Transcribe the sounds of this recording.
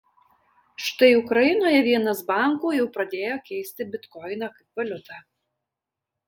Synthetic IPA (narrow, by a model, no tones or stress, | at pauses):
ʃt̪ɐɪʊkɾɐjɪnoːjɛʋʲiɛnɐsbɑˑŋkuːjɛʊpɾɐd̪ʲeːjoːkʲɛɪsʲt̪ʲɪbʲɪt̪kɔɪnɐkɐɪp̚ʋɐlʲʊt̪ɑː